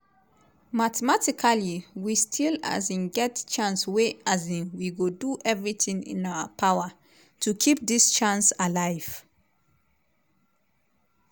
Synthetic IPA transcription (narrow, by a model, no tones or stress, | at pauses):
matɛmatikʰaliwistʰila̰zĩnɡɛtt͡ʃãnsweazĩnwiɡoduʔɛvɹiθĩŋḭ̃naʊəpʰawə | tʰukʰip̚ðist͡ʃãnsalaɪv̥